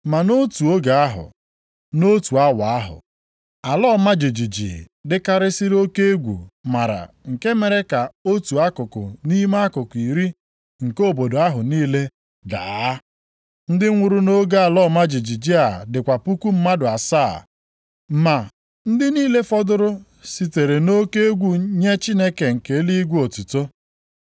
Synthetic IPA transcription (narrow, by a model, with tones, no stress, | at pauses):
ma˨no˦tu˨o˦ɡa˨a˦ɦʊ̰˨ | no˦tu˨a˦wa˨a˦ɦʊ̰˨ | a˨lɔ˦˨ma˦d͡ʒi˨d͡ʒi˨d͡ʒḭ˨ | dɪ˦ka˦ɾɪ˦si˦ɾo˦ke˦e˦ɡʷṵ˨ma˨ɾa̰˨ŋ̩˨ke˦me˨ɾe˦ka˨o˦tu˨a˦kʊ˨kʊ̰˨ni˦ma˦a˦kʊ˨ki˨ɾi˦ | ŋ̩˨ko˦˨bo˨do˨a˦ɦʊ˨niː˦le˦ | da̰ː˨˦ | n̩˦dɪ˦ŋʷʊ˨ɾu˦no˦ɡa˦a˨lɔ˦˨ma˦d͡ʒi˨d͡ʒi˨d͡ʒi˦a˨dɪ˨kʷa˨pu˦ku˦m̩˦ma˦dʊ˨a˨saː˦˨ | ma˨ | n̩˦dɪ˦niː˦le˦fɔ˦dʊ˦ɾʊ˦ | si˨te˨ɾe˨no˦ke˦e˦ɡʷu˨ɲe˦t͡ʃi˦ne˦ke˨ŋ̩˨ke˨˦li˦i˦ɡʷu˦o˨tu˨to˦